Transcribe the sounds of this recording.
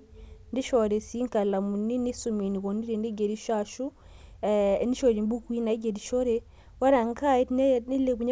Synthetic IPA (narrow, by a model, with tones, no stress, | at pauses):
ndi˦ʃo˨ɾe˨si˦ŋka˨la˨mu˨ni˦ni˦su˨mi˨ni˨ko˨ni˦ɾe˨ndi˦ɡe˨ɾi˦ʃaʃu˦ | ni˦ʃo˨ɾi˨mbu˦kwi˦na˨˦ɡe˨ɾi˨ʃo˦ɾe˦ | wa˦ɾa˨ŋka˦i˦i˦le˨ku˨ɲa˦